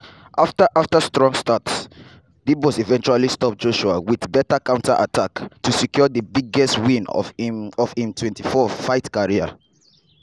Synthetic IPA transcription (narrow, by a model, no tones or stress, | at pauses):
ʔaftaʔaftastɹɔ̃ŋstats | dibɔsivɛ̃nt͡ʃualistɔp̚d͡ʒoʃua̰wiðbɛtakãʊ̃ntʰaʔatʰaktusikjɔðəbiɡɛstwĩn | ɔv̥ĩmtʰwɛ̃ntifɔfaɪtkaɹia̰